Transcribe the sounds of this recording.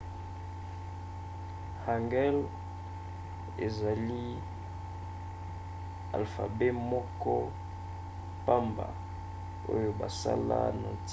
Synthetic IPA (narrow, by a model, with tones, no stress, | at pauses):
ha˨ŋɡɛ˦l | ḛ˨za˨li˦ | a̰˨lfa̰˨be˦mɔ˦kɔ˦ | pa˦mba̰˨ | o˦jo˦ba˨sa̰˦la̰˦na˨t͡s